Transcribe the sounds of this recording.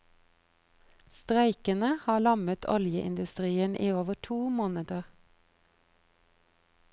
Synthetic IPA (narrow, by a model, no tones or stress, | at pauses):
st̪ʁæɪkənəhɑːlɑmət̪ʰɔ̰ljəʔɪ̰nd̪ʉst̪ʁiːənʔiːoːʋəʈʰuːmoːnəd̪əʁ